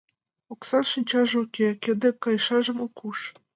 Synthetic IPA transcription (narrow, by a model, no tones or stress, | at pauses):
oksɑnʃɯnʲt͡ɕɑʒukʲekʲĕd̪ɘ̆kːɑjʃɑʒɤ̆mokʰuʃ